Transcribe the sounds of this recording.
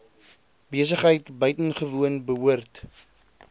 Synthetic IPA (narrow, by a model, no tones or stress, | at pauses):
biəs̬əχɦəjtbœɥtənχəvuənbəɦuərt